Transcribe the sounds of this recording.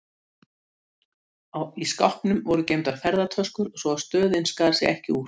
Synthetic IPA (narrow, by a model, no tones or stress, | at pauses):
awiska̰whpnʏmvɔɾʏcejmt̪aɾ̥fɛɾðat̪ʰœskʏɾ̥sɔast̪œːðɪnskaːɾsɛ̰ɣɛhcɪ̰uːɾ̥